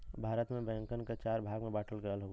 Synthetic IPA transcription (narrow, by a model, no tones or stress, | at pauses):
bʱaːɾət̪mẽbɛ̃ŋkənket͡ʃaːɾbʱaːɡmẽbaːʈʰəlkeəlɦoɡ